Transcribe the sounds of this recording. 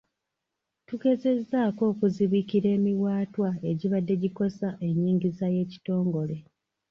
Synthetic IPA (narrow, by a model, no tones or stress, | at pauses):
tuɡe̞ze̞zːaːko̞ːkuziβikiɾe̞ːmiwaːtwae̞ɟiβadːe̞ɟiko̞saʔe̞ɲːiːɲɟizaje̞ːci̥to̞ːŋɡo̞le̞